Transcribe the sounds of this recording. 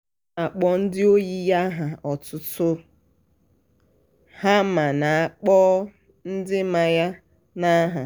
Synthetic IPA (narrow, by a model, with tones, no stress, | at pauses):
a˨k͡pɔ˦n̩˦dɪ˦o˦ji˦ja˦ɦa˨ɔ˨tʊ˦tʊ˦ | ha˦ma˨na˨a˨k͡pɔ˦ | n̩˦dɪ˦ma˦ja˦ | na˦ɦa˨